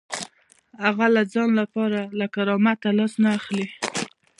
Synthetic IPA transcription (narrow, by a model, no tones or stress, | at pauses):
haɣalad͡zɑnlapɑɾalakaɾɑmat̪alɑsnaːxli